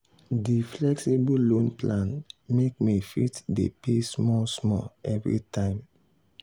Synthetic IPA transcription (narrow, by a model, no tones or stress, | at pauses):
diflɛksibolõnplãnmek̚mifitdḛpesmɔlsmɔ̰lɛvɹḭtʰãɪ̃m